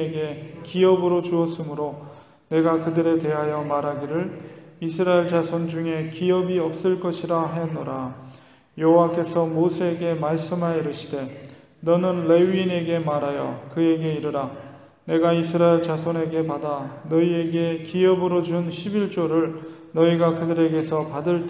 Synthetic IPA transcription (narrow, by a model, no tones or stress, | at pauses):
ɡe̞kiʌbɯɾot͡ɕuʌs͈ɯmɯɾo | ne̞ɡakɯdɯɾe̞te̞ɦajʌmaɾɦaɡiɾɯɭisʰɯɾaeɭt͡ɕasʰond͡ʑuŋe̞kiʌbiʌp̚s͈ɯɭk͈ʌɕʰiɾaɦajʌnːoɾa | joɦowak͈e̞sʰʌmosʰe̞ːɡe̞maɭs͈ɯmaiɾɯɕʰi̥de̞ | nʌnɯnle̞wine̞ɡe̞maɾɦajʌkɯe̞ɡe̞iɾɯɾa | ne̞ɡaisʰɯɾaeɭt͡ɕasʰone̞ɡe̞padanʌie̞ɡe̞kiʌbɯɾod͡ʑunɕʰibiɭt͡ɕ͈oɾɯɭ | nʌiɡakɯdɯɾe̞ɡe̞sʰʌpadɯɭt